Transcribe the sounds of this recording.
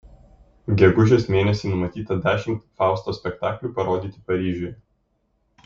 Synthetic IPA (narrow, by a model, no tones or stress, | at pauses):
ɡʲɛɡʊʒʲeːsmʲeːnʲɛsʲiːnʊmɐt̪ʲiːt̪ɐd̪ʲæːʃʲɪmt̪fɑˑʊst̪oːsʲpʲɛkt̪ɑːklʲuːpɐɾoːd̪ʲiːt̪ʲɪpɐɾʲiːʒʲʊj